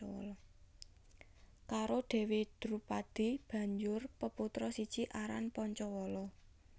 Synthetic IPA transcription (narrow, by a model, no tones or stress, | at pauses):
ɔwɔ̰lɔ | kaɾoɖ̪̥ɛ̤wed̪̥ɾupad̪̥i̤b̥ä̤ɲd͡ʒʊrpəput̪ɾɔsi̥t͡ʃiʔaɾa̰npɔɲt͡ʃɔwɔlɔ